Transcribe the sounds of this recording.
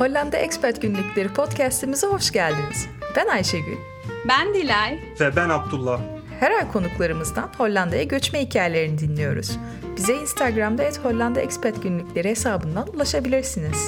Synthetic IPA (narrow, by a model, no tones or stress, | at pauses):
ho̞lʲːand̪aʔɛcspæɾt̪ɟynlʲyclʲe̞ɾipʰo̞t̪cʰæst̪ʰimizɛho̞ʃɟælʲd̪iniz̥b̥ænajʃeɟy̰n | bænd̪ilʲɛj | vɛbænab̚d̪ulˠːah | hɛɾalʲkʰo̞nuklˠaɾɯmɯzd̪anho̞lʲːand̪ajaɟø̞t͡ʃmɛhicʰaːjelʲe̞ɾinid̪inlʲijo̞̰ɾṵz̥ | bizɛinst̪ʰaɡɾamd̪aɛt̪ho̞lʲlʲːand̪aɛ̰cspæɾt̪ɟynlʲycʲlʲe̞ɾiɦesaːbɯnd̪anulˠaʃabilʲiɾsiniz̥